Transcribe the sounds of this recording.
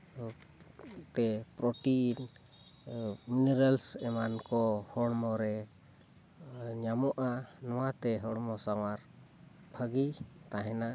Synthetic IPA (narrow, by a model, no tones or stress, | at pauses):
t̪ɛpɾɔʈin | minɛɾalsɛmankɔhɔɽmɔɾɛ | ɲamɔʔanɔwat̪ɛɦɔɽmɔsawaɾ | b̥ʱəɡit̪aɦɛna